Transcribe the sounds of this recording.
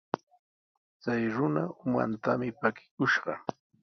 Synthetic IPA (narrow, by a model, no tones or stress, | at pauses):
t͡sajɾʊnaʊma̰nt̪amɪpakɪ̥kʊʃɢɑ